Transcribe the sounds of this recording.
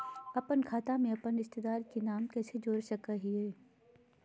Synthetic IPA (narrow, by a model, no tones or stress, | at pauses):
ɐpənkʰaːt̪amẽɐpənɪst̪ɪd̪aːɾkenaːmkɛːsed͡ʒoːɾʃɐkaɦiɦɛː